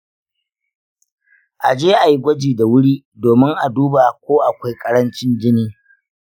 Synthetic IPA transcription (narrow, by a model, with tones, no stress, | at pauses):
ʔa˨d͡ʒeː˦ʔa˨ji˦ɡʷɐ˦d͡ʒiː˨da˨wʊ˦ɽiː˦ | doː˨mɪ˦ŋʔa˨duː˦ba˨kʷoː˦ʔa˨kʷa˦jkʼɐ˦ɽɐ˦nt͡ʃɪ˦nd͡ʒɪ˦niː˦